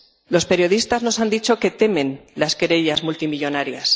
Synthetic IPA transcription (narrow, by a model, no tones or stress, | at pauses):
lo̞spe̞ɾjo̞ð̞ist̪azno̞sand̪it͡ʃo̞ke̞t̪e̞mẽ̞nlaskeɾe̞ʎazmult̪imiʎo̞naɾjas